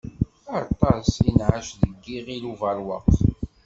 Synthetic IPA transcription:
ɑɾˤt̪ˤɑsinʕaʃðəɡːiʁiluvɑɾwɑ̰q

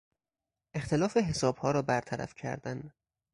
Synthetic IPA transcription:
ʔe̞xt̪ʰelɒːfeɦe̞sɒːbhɒːɾɒːbæɾt̪ʰæɾæ̰fcʰæ̰ɾd̪æn

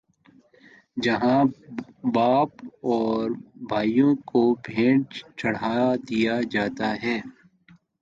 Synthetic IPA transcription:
d͡ʒɐɦã | baːpɔːɾbʱaːijõkobʱẽːʈt͡ʃɐɽ̤aːd̪ijad͡ʒaːt̪aɦɛː

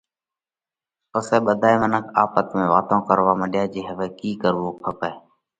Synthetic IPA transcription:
ʊseːɓəd̪ʱaːiːmənəkʰaːpət̪mẽːʋaːt̪õːkəɾʋaːməɗɪjaːd͡ʒeːɦəʋeːkiːkəɾʋoːpʰəpeː

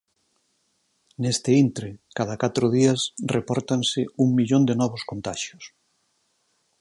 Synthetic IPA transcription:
nest̪ɪint̪ɾekaðakat̪ɾʊð̞iɐsrepɔɾt̪ansɪuŋmiʎond̪enɔβʊskont̪aʃjʊs

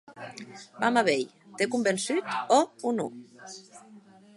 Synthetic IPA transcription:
bamaβej | t̪ekumbensyt̪ɔunṵ

